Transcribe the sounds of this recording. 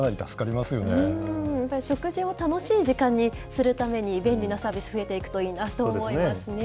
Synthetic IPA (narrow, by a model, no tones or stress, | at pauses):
naɾʲit̪asɨ̥kaɾʲimasɨjo̞nejapːaɾʲiɕo̞kɯ̟ʑio̞t̪ano̞ɕiːʑikãɲ̟ːi | sɨɾɯ̟t̪ame̞ɲ̟ibẽ̞nɾʲinosaːbʲisɨ̥ɸɯ̟e̞t̪e̞ikɯ̟̥t̪o̞iːnat̪oːmo̞iasɨne